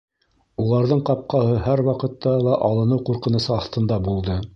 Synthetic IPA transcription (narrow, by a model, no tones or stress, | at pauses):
ulˠɑɾðɤɴqɑp̚qɑhɤɦæɾwɑqɤ̆t̪ːɑlˠɑʔɑlˠɤ̆nɤwquɾqɤ̆nɤ̆sɤɑθt̪ɤ̆nd̪ɑbulˠd̪ɤ